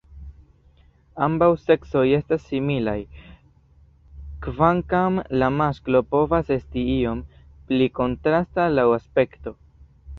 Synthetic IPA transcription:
ambawse̞kso̞je̞stasːimilaj | kvaŋkamlamasklo̞po̞vase̞stiio̞mpliko̞ntɾastalawaspe̞kto̞

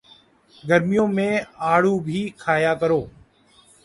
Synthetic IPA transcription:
ɡəɾmɪjõːmẽːaːɽ̤uːbʱiːkʰaːjaːkəɾoː

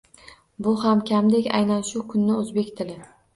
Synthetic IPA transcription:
bʊhamkʲʰamd̪ekʲa̰jnanʃʊkʰʊnːɪɵzbe̞kʲt̪ʰɪlɪ

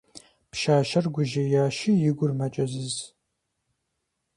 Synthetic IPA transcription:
pʃaːʃɐrɡʷʊʒɐjaːʃijɪɡʷʊrmɐt͡ʃʼɐzɨz

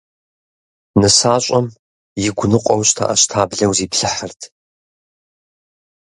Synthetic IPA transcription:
nɨsaːɕʼɐm | jɪɡʷʊnɨqʷʼɔwɕʼtʰa̰ʔɐɕtʰaːbɮɐwziːpʰɬɨħərtʰ

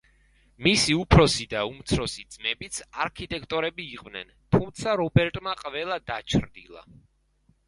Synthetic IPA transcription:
misiupʰɾɔsid̪aumt̪sʰɾɔsid̪z̥mɛbit̪sʰaɾkʰit̪ʼɛkʰt̪ʼɔɾɛbiːqʼvnɛ̰nt̪ʰumt̪sʰaɾɔbɛɾt̪ʼmaqʼvɛlˠad̪at͡ʃʰɾd̪ḭlˠa̰

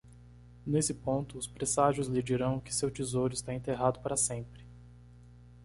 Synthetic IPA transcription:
nesɪpõnt̪ʊːspɾesaʒʊzlɪd͡ʒiɾɐ̃w̃ʊkɪ̥sewt͡ʃizowɾʊɪst̪aẽnt̪eɦad̪ʊpaɾɐsẽmpɾɪ

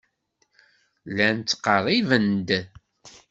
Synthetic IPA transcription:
lænt͡s̪ːqːərˤːivənd̪

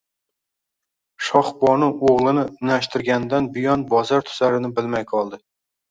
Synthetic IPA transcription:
ʃɒχbɒnɪoʁlˠɪnɪʊnaʃt̪ɪɾɡʲand̪anbɪjɒnbɒzaɾt̪ʰʊ̥zaɾɪnɪbɪlmajqʰɒlˠd̪ɪ

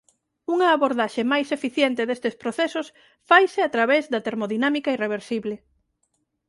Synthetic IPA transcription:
uŋɐːβoɾðaʃemajsefiθjent̪eðest̪espɾoθesos | fajsɪat̪ɾaβezðɐt̪eɾmoðinamikaireβ̞eɾsiβlɪ

